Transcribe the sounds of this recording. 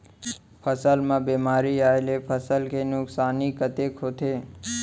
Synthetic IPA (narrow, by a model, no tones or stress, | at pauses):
pʰəsəlmãbemaɾiaelepʰəsəlkʰenuksaːnikət̪ekʰot̪ʰe